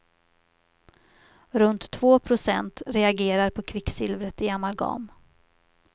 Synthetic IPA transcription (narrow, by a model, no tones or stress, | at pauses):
ɾɵnt̪ʰːvoːpʰɾʊsɛ̰nt̪ɾɛaɡeːɾaɾpʰɔkʰvɪksɪlvɾət̪ɪɡamalɡɑ̰ːm